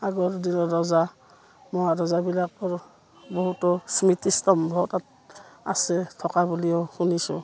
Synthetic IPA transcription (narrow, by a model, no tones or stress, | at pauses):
aɡɔɾdinɔɾɔza | mɔaɾɔzabilak̚pɔɹ | bɔɦutɔsmitistɔmbʱɔɦutat̚ | asɛtʰɔkabuliɔxunisṵ